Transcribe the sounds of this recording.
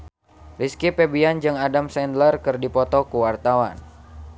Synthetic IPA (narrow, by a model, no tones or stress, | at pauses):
riskipɛbiand͡ʒɨŋadamsɛndlərkɨrdipɔt̪ɔkuwart̪awa̰n